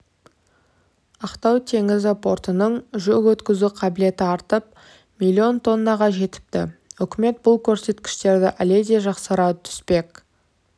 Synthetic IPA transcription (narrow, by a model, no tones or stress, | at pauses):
ɑqt̪ɑwt̪ʰe̞ŋɪzɪpʰo̞rt̪ənəɴʒɵkwɵt̪kʲɪzuqʰɑbɪle̞t̪ɪɑɾt̪əp̚ | milʲːio̞nt̪ʰo̞nːɑʁɑʒe̞t̪ɪ̥p̚t̪ɪ̰ʏkʲɪme̞t̪̚bʊlˠkʲʰɵɾse̞t̪kʲɪ̥ʃt̪e̞ɾd̪ɪʔæle̞d̪e̞ʒɑqsəɾɑt̪ʰʏ̥spe̞k